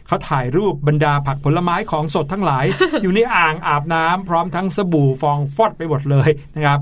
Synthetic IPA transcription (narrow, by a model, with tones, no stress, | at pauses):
kʰa˦˥wt̪ʰaː˨˩jɾuː˥˩p̚ba˧ndaː˧pʰa˨˩k̚pʰo˩˦lːa˧maː˦˥jkʰɔː˩˦ŋso˨˩t̪ʰːa˦˥ŋlaː˩˦jjuː˨˩na˧˩jʔaː˨˩ŋʔaː˨˩p̚naː˦˥mpʰɾɔː˦˥mt̪ʰa˦˥ŋsa˧buː˨˩fɔː˧ŋfɔ˥˩t̪̚pa˧jmo˨˩t̪̚lɤː˧jna˦˥kʰa˦˥p̚